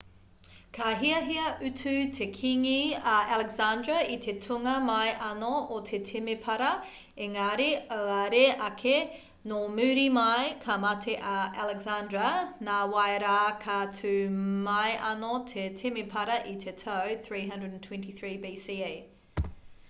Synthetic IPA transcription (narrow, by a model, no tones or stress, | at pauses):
kʰaɦiɐɦiɐʔʉtʰʉtʰekʰiŋiɐʔalɛɡzandɹɐit̪ʰe̞tʰuŋɐmɐjʔɐnoot̪ʰetʰemepʰɐɾɐ | eŋaɾeoɐɾeʔɐkʰe | nomʉːɾimɐjkʰamɐtʰeʔɐalɛɡzandɹɐnaːwaeɾaːkʰatʰʉmɐjʔɐnotʰetʰemepʰɐɾɐʔit̪ʰetʰowθɹiːɦɐ̃ndɹədntʰwɛ̃ntiθɹiːbiːsiːe